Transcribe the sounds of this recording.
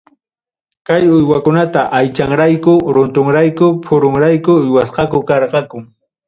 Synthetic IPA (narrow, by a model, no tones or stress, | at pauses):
kajʊjwakʊnat̪aʔajt͡ʃaŋɾajkʊɾʊnt̪oŋɾajkʊpʰʊɾʊŋɾajkʊːjwasqɑkʊkɑɾqɑkʊŋ